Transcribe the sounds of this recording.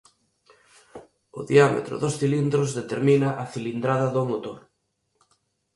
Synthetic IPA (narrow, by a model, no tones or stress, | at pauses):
ʊðiamḛt̪ɾʊ̰ðosθilind̪ɾozðet̪eɾminɐʔɐθilind̪ɾaðɐðʊmot̪oɾ